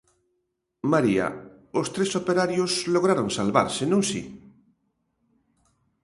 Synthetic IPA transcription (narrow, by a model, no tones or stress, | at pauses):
maɾia̰ | ost̪ɾesopeɾaɾjosloɣɾaɾoŋsalβa̰ɾsenõŋsḭ